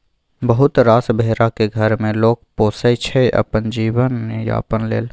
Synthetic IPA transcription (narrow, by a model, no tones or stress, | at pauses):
bəɦʊt̪ɾaːsbʱeːɾakeɡʱəɾmẽloːk̚poːsəjt͡ʃʰɛʔə̰pənd͡ʒiːwənmeja̰ːəpənlḛːl